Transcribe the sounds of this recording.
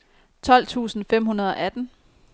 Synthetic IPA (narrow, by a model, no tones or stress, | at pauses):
t͡sʰɒ̽l̰t͡sʰṵːsn̩fem̰hunɐð̞ˠɒ̽ʔæd̥n̩